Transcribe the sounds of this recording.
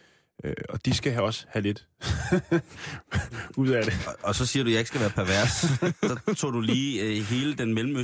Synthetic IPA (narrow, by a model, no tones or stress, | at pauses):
øɒ̽d̥isɡ̥æɦæɒ̽səhæle̝d̥ | uð̰ˠæd̥e̝ʔɒ̽sɒ̽siːɐɾujɑ̈e̝ɡ̥sɡ̥æʋæːɐpʰæɐʋæɐsɒ̽t͡sʰo̝̰ːd̥uliːɦe̝ːləd̥enmelm̩ø